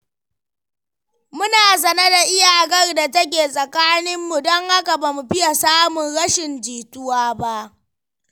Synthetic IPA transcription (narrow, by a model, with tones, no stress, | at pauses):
mʊ˦naː˨s̬ɐ˨nɐ˦da˨ʔɪ˦jaː˨ʔɡɐ˦rda˨tɐ˦k̬ʲeː˨sʼɐ˨kaː˦nɪ˦mːu˨dɔ˦ŋha˦ka˨ba˨mu˨ɸɪ˦ja˨saː˦mʊ˨nɽɐ˦ʃɪ˨nd͡ʒiː˨tʊ˦waː˦ba˦ʔ